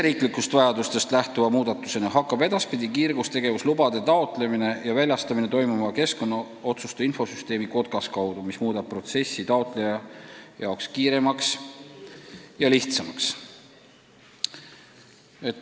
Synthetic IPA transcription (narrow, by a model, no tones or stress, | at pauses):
eɾiːklikːˑust̪vɑjɑd̪ust̪e̞st̪læht̪uvɑmuːd̪̥ɑt̪ːˑu̥senɑɦɑkˑːɑb̥e̞d̪̥ɑspid̪ikiːrɡust̪e̞ɡ̥e̞vuslubɑd̪̥e̞t̪ɑo̞t̪ˑle̞mine̞jɑvælʲjɑst̪ɑmine̞t̪o̞jmumɑke̞sko̞nːɑ | o̞t̪sust̪ɑinfo̞syst̪e̞ːmiko̞d̪̥̚ɡ̥ɑskɑwd̪̥umismuːd̪̥ɑb̥̚pro̞t̪se̞sːit̪ɑo̞t̪ˑle̞jɑjɑokskiːɾe̞mɑks | jɑliht̪sɑmɑks | et̪ː